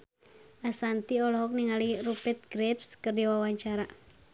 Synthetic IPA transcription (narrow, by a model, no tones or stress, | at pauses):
ʔasant̪iɔlɔɦɔk̚niŋalirupɛt̪̚ɡɾɛpskərdiwawaɲt͡ʃaɾa